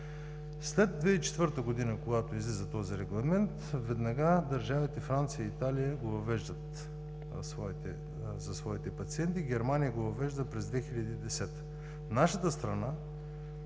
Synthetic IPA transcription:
slɛd̪̚d̪ːvɛit͡ʃɛ̥t̪vɤɾt̪əɡod̪inəkoɡat̪oizlizɐt̪ɔziɾɛɡlˠɐmɛnt̪vɛd̪nɐɡad̪ɐɾʒavit̪ɛfɾant̪sijəːt̪alijəɡovɐvɛʒd̪ət̪ | svɔit̪ɛ | zɐsvɔit̪ɛpɐt̪siɛnt̪iɡʲɛɾmanijəɡovɐvɛʒd̪əpɾɛzd̪vɛxilʲɐd̪iːd̪ɛsɛt̪ə̥ | naʃət̪əst̪ɾɐna

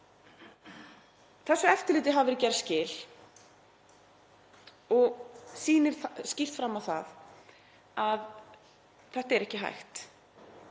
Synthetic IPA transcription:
θɛsːʏɛft̪ɪlɪːt̪̬ɪɦavɪɾɪcɛɾscɪːl̥ | ɔɣsiːnɪɾ̥scɪr̥t̪fɾamːawθa̰ð | að | θɛht̪aɛɾɛhcɪɦa̰jxt̪

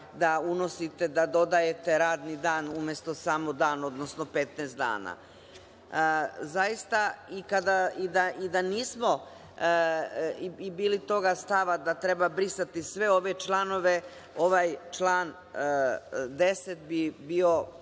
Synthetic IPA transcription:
d̪aunosit̪e̞d̪ad̪o̞d̪aje̞t̪e̞ɾaːd̪nid̪aːnumjest̪o̞saːmod̪aːno̞d̪nosno̞pet̪nɛːst̪d̪a̰ːna̰ | zajist̪aikad̪aid̪aʔid̪aniːsmo̞ | iibiːlit̪o̞ɡast̪aʋad̪at̪ɾe̞babɾisat̪isʋe̞o̞ʋe̞t͡ʃlˠano̞ʋe̞ | o̞ʋajt͡ʃlˠaːn | d̪e̞set̪̚bibio̞

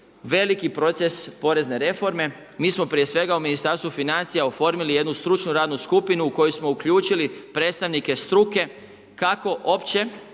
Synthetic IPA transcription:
ʋe̞likipɾo̞t̪se̞spo̞ɾe̞zne̞ɾe̞fo̞ɾme̞ | miːsmo̞pɾije̞sʋe̞ɡauminist̪aɾst̪ʋufinant̪sijaofo̞ɾmilije̞d̪nust̪ɾut͡ʃnuɾaːd̪nuskupinuːko̞josmo̞ukʎuːt͡ʃilipɾet̪st̪aʋnike̞st̪ɾuke̞ | kako̞ʔo̞pt͡ɕe̞

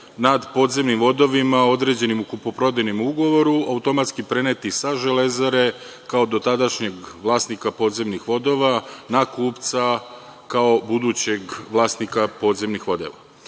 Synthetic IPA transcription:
nad̪po̞ːd̪ze̞mnimʋo̞d̪o̞ʋimao̞d̪ɾe̞d͡ʑe̞nimukupopɾo̞d̪enimuuɡo̞ʋo̞ɾuaut̪o̞mat̪skipɾe̞net̪isaʒe̞le̞zaɾe̞ | kaod̪o̞t̪ad̪aʃɲe̞ɡʋlˠaːst̪nikapo̞ːd̪ze̞mnixʋo̞d̪o̞ʋanakuːpt̪sa | kao̞bud̪ut͡ɕe̞ɡʋlˠaːst̪nikapo̞ːd̪ze̞mnixʋo̞d̪ḛʋa

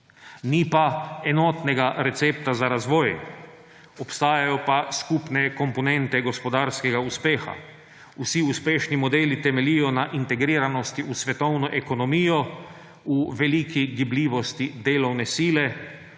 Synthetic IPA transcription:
nipaɛnɔt̪nɛɡaɾɛt̪seːpt̪azaɾazʋɔːj | ɔpst̪aːjajɔpaskupnɛkɔmpɔnɛnt̪ɛɡɔspɔd̪aːɾskɛɡauspeːxa̰ | usiuspeːʃnimɔd̪eːlit̪ɛmɛliːjɔnaʔint̪ɛɡɾiːɾanɔst̪iusʋɛt̪ɔwnɔʔɛkɔnɔmiːjɔ | uʋɛlikiɡibliːʋɔst̪id̪eːlɔwnɛsiːlɛ

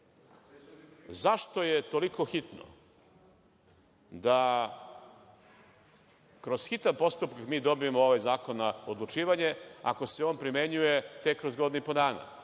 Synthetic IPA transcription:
zaʃt̪o̞jet̪o̞liko̞xit̪no̰ | d̪a | kɾo̞z̥xit̪anpo̞st̪upkakmiːd̪o̞biemooʋajzaːko̞nːao̞d̪lˠut͡ʃiːʋaɲea̰ko̞se̞oːnpɾime̞ɲuje̞t̪ekːɾo̞zɡo̞d̪inupo̞d̪aːna̰

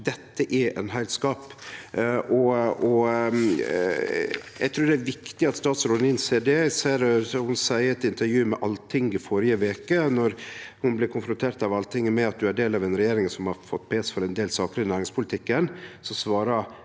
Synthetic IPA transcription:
d̪ɛt̪ːəʔɛʔɛ̰nɦæɪlskɑːp | ʔɔɔ | jæɡt̪ʰɾʉːɾd̪ɛæɾʋɪkt̪ɪɑt̪st̪ɑːt̪sɾoːnɪnseːɖ̪ɛseːɾɔhʊnsæɪəɾɛt̪ɪnt̪əɾjʉːmɛʔɑlːt̪ʰɪŋːɪfɔɾɪəʋeːkənɔɾhʊnblɪɾkʰʊnfɾʊnt̪ʰeːɾt̪ɑʋɑlt̪ʰɪŋmɛɑt̪̚d̪ʉæɖeːlɑʋɛnɾɛjeːɾɪŋsɔmhɑɾfɔt̪ːpʰeːsfɔɾɛnd̪eːlsɑːkəɾɪnæːɾɪŋspʰʊlɪt̪ʰɪkːənsɔsʋɑːɾə

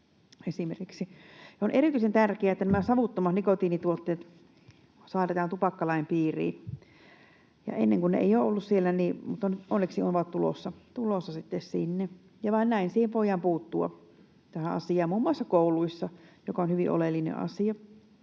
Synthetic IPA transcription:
esimerkiksinonʔerit̪yisent̪ærkeæet̪ːænæmæsɑʋut̪ːomɑnikot̪iːnit̪uot̪ːeːt̪ | sɑːˑret̪ɑːnt̪upɑkːɑlɑimpiːrḭːn | jɑ̰enːeŋkunnḛḛijoːolːussielːæniːmut̪ːɑnyt̪onːeksionʋɑt̪t̪ulo̰sːɑt̪ulosːɑsit̪ːessinːe | jɑʋɑˑinnæˑinsiːheʋʋoijːˑɑmpuːt̪ːuɑ̰ | t̪æhæɑ̰siɑːmmuːmːuɑsːɑkoˑuluisːɑjokɑonhyʋiʔo̰lelːinḛʔɑ̰siɑ

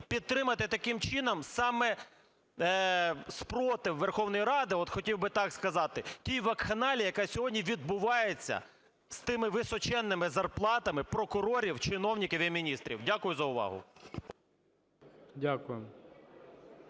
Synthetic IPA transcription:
pʲid̪̚t̪ɾɪmɐt̪ɪt̪ɐkɪmt͡ʃɪnɐmsɑmɛ | spɾɔt̪ɪwʋerxɔwnɔjiɾɑd̪ɪɔt̪xɔtʲiwbɪt̪ɑkskɐzɑt̪ɪtʲijʋɐkxɐnɑlʲijɐkɑsʲɔɦɔdʲnʲiʋʲid̪̚bʊʋɑjet͡sʲːɐ̰ | st̪ɪmɪʋɪsɔt͡ʃɛnːɪmɪzɐrplˠɑt̪ɐmɪpɾɔkʊɾɔɾʲiwt͡ʃɪnɔwnʲikɪʋʲɛmʲinʲist̪ɾʲḭwdʲakʊjʊzɐʊʋɑ̰ɦʊ̰ | dʲakʊjɪm

